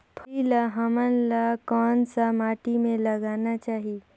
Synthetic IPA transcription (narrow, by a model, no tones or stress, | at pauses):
pʰilaɦəmənlakɔːnsamaːʈimẽləɡaːnat͡ʃaːɦi